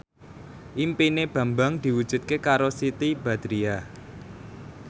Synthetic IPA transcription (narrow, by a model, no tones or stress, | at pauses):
ʔimpineb̥ä̤mbaŋd̪̥i̤wud̥ʒ̥ṳt̪̚kekaɾosit̪ib̥a̤d̪̥ɾia